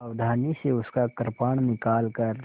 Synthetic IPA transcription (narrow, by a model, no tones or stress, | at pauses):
ɐʋd̪ʱaːniseʊskakəɾpaːɳ̃nɪkaːlkɐɾ